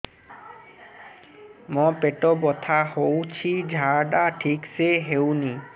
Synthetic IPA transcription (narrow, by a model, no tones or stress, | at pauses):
mɔ̃peʈɔbɔt̪ʰahowt͡ʃʰid͡ʒʱaɹɖaʈʰikseɦewni